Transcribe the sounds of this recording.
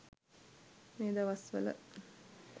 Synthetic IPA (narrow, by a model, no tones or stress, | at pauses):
meːd̪aʋɐsʋə̰lə̰